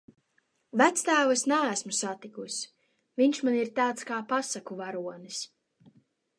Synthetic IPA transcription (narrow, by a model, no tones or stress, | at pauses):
væt̪st̪æːvɨsnææsmusat̪ikusʲ | viɲʃmaniɾt̪aːt̪skaːpasakuvaɾuɔnis